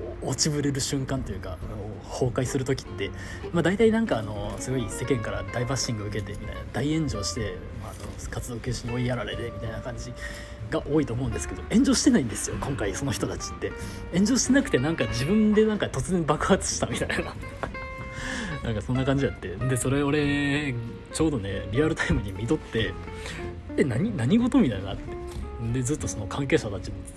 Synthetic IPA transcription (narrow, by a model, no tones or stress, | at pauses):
ot͡ɕibɯ̟ɾeɾɯ̟ɕɨ̃ŋkãnt̪o̞jɯ̟ːka̰no | ho̞ːkaisɨɾɯ̟t̪o̞kʲi̥t̪ːe̞ | mad̪ait̪ainãŋkaːno̞sɨɡo̞ise̞kẽ̞ŋkaɾad̪aibaɕːĩŋɡɯ̟ɯ̟ke̞t̪e̞mʲit̪a̰inad̪aiẽ̞ɲ̟d͡ʑo̞ːɕi̥t̪e̞ | maːno̞̰kat͡sɨd̪oːkʲɨːɕiɲ̟io̞iaɾaɾe̞t̪e̞mʲit̪ainakãɲ̟d͡ʑi | ɡaʔo̞ːit̪o̞ːmo̞ɯ̟̃nd̪esɨ̥ke̞d̪o̞ʔẽ̞ɲ̟d͡ʑo̞ːɕi̥t̪e̞naĩnd̪e̞sɨjo̞kõ̞ŋkaiso̞no̞çi̥t̪o̞t̪at͡ɕi̥t̪ːe̞ | ẽ̞ɲ̟d͡ʑo̞ːɕi̥t̪e̞nakɯ̟t̪e̞nãŋkad͡ʑibɯ̟̃nd̪e̞nãŋkat̪o̞t͡sɨzẽmbakɯ̟̥ɦat͡sɨ̥ɕi̥t̪amʲit̪aina | nã̰ŋkasõ̞nːakãɲ̟d͡ʑijat̪ːe̞nd̪e̞so̞ɾe̞o̞ɾe̞ | t͡ɕo̞ːd̪o̞ne̞ɾʲiaɾɯ̟t̪aimɯ̟ɲ̟imʲit̪o̞t̪ːe̞ | enaɲ̟inaɲ̟iɡo̞t̪omʲit̪aina̰t̪ːed̪e̞d͡zɨt̪ːo̞so̞nokʰãŋk̬e̞ːɕat̪at͡ɕi